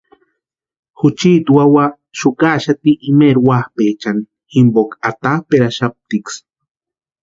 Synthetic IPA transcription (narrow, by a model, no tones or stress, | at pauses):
xut͡ʃit̪wawa | ʃukaʃat̪iʔːmeɾwahpet͡ʃani | ximbokat̪apeɾaʃap̚t̪iks